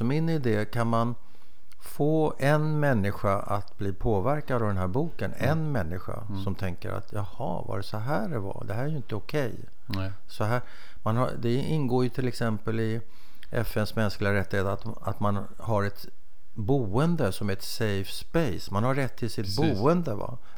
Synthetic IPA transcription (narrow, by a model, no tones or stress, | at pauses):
sɔmɪnɪd̪eːkʰanman | foːɛnmɛnːɪɧaʔat̪bliːpʰoːvæɾkad̪avd̪ɛnɦæːɾbuːkənɛnmɛnːɪɧa̰ | sɔmt̪ʰɛŋkə̰ɾa̰t̪ʰjɑhɑ̰va̰ɾɛsɔɦæːɖɛva̰d̪ɛɦæːɾæjʏɪnt̪əʊkʰɛj | sɔɦæːɾ | manɦa̰d̪ɛɪnɡoːjɵt̪ʰɪlɛksɛmpəlɪ | ʔɛfːɛnsmɛnsklɪɡaɾɛt̪ːɪheːt̪at̪ | at̪man | haɾɛt̪ | buːənd̪əsɔmæɾɛt̪sɛjfspɛjsmanhaɾɛt̪ʰːɪlsɪt̪̚buːənd̪əva̰